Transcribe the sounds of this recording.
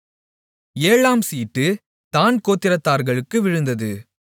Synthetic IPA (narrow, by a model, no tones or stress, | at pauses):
eːɭaːmsiːʈːɯ | t̪aːnkoːt̪ːɪɾɐt̪ːaːɾɣɐɭɯkːɯʋɪɻɯnd̪ɐðɯ